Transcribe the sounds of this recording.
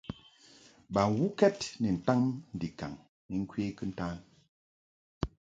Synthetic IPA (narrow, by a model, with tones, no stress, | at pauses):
ba˨ŋ˨wu˦kɛ˦tni˨n̩˨ta˦ŋn̩˨di˨ka̰˨ŋ | ni˨ŋ̩˦kwe˦kɨ˦n̩˦ta˦l